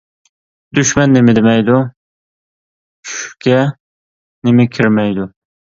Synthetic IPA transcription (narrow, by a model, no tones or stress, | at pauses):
d̪yʃmɛnːɪmɪd̪ɪmɛjd̪u | t͡ʃʰy̥ʃkʲɛ | nɪmɪkʲʰɪɾmɛjd̪ʊ